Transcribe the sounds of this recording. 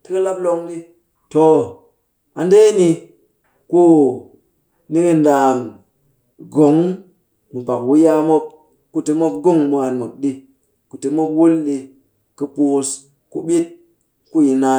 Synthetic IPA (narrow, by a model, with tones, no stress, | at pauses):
ti˦kə˦la˦b̚lo˦ŋɗi˦ | to˨ | a˨nde˦ni˧ | ku˦ | ni˦ki˦nda˨m | ɡo˨˦ŋ | mu˨ba˨k̚wu˦ja˦mo˦p̚ | ku˦ti˧mo˦p̚ɡo˦ŋmu˨a˨nmɨ˨k̚ɗi˦ | ku˨ti˨˦mo˦p̚wu˦lːi˨ | kɨ˦pu˨s | ku˦ɓi˦t̚ | ku˦ji˨na˨˦